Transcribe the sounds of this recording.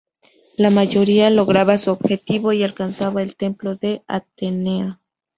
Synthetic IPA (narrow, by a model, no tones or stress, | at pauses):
lamaʝo̞ɾialoɣɾaβasuobxet̪iβoialkansaβaelt̪e̞mploðea̰t̪enea